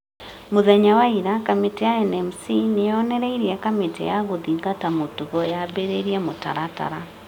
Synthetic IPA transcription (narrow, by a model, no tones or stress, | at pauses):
moðɛɲawaiɾakametɛjaɛnɛmsinejɔnɛɾɛiɾiɛkametɛ̰jaɣoðiɣatamotuɣɔjabeɾeɾiɛmota̰ɾata̰ɾa